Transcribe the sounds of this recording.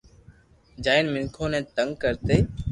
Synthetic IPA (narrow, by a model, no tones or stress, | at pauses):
d͡ʒaːɪnmɪŋkʰoːnɛ̃ːt̪əŋɡkəɾt̪eː